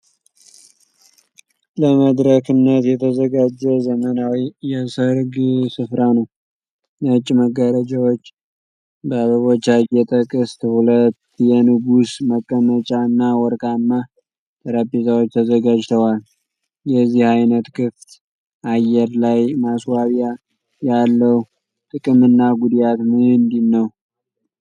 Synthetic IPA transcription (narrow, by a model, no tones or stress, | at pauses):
ləməd̪ɾəkɨnːət̪jɛt̪ʰəzəɡad͡ʒːɛzəmənawijɛsəɾɡsɨfɾanəw | nət͡ʃʼːməɡəɾəd͡ʒawot͡ʃː | bəβəβo̞t͡ʃːajɛt̪ʼəkʼɨst̪hulət̪ːjɛnɨɡusməkʼːəmət͡ʃʼanːawɔɾkʼanːa | t̪ʼəɾapːezawot͡ʃːt̪ʰəzəɡad͡ʒt̪ʰəwal | jɛzːihajnət̪kʰɨft̪ | ʔajːɛɾlajmaswaβja | jalːəw | t̪ʼɨkʼɨmɨnːaɡud̪jat̪mɨɨnd̪inːəw